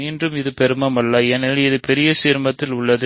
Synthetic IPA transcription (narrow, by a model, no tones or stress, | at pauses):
iːndrɯmɪðɯpɛɾɯmɐmɐlːɐɛnɐlɪðɯpɛɾɪjɐsiːɾmɐt̪ːɪlʊɭːɐðɯ